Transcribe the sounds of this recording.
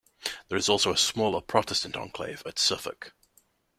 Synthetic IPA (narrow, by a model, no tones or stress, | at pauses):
ðəɹɪzɔlˠsoʊəsmɔːlˠəpʰɹ̥ɒtɛstə̃ntʰə̰̃nkʰl̥ḛɪvətsʌfə̰k